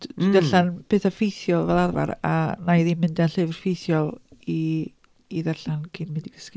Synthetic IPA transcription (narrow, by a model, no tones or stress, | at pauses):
d̥wiðɛɬanpʰeːθafejθjɔlˠvɛlˠarva̰ɾa̰najðinmɪndaɬɨvrfejθjɔlˠiː | ðɛɬankʰɪnmɪdiɡ̥ə̥skɪ